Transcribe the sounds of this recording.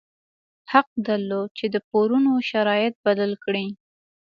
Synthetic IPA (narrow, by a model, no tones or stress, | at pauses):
haq̚d̪aɾlot͡ʃed̪əpoɾunoʃaɾɑjɪt̪̚bad̪əlkɽi